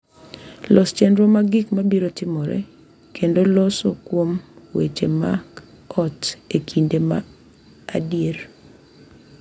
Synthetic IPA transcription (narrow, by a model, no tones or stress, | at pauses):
lɔst͡ʃɛndɾomaɡɪkmabiɾotɪmɔɾɛ̰ | kendolɔsokwomwḛt͡ʃemak | ɔtekʰindema̰ː | djeɾ